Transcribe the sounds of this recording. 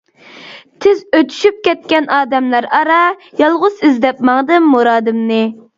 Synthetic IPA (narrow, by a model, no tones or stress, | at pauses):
t̪ʰɪzøt̪ʰy̥ʃyp̚kʲɛt̪̚kʲɛnɑːd̪ɛmlæɾɑɾɑjɑlˠʁʊzɪzd̪ɛpmɑŋd̪ɨmːuɾɑːd̪ɨmnɨ